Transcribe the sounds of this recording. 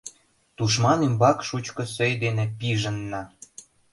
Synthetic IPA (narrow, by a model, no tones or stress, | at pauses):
t̪uʃ̬mɑnembɑkʃut͡ɕkɤ̆søjd̪enepiʒə̆nːɑ